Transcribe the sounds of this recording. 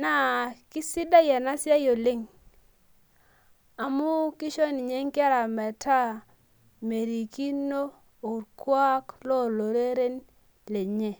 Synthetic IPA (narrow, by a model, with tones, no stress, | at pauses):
na˨ki˦si˦da˦jɛ˨na˦sja˦jo˨le˦ŋ | a˨mu˦ki˦ʃo˦ni˨ɲe˦ŋka˦ɾa˨mɛ˨ta˦ | me˨ɾi˨ki˦no˦ | o˨ɾkwa˦klɔ˦lo˨ɾe˦ɾe˦n | le˨ɲe˨